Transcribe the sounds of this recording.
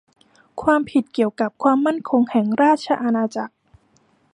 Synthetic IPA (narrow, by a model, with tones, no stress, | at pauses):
kʰwaː˧mpʰi˨˩t̪̚ki˨˩əwka˨˩p̚kʰwaː˧mːa˥˩nkʰo˧ŋhɛ˨˩ŋɾaː˥˩t̪̚t͡ɕʰa˧ʔa˧naː˧t͡ɕa˨˩k̚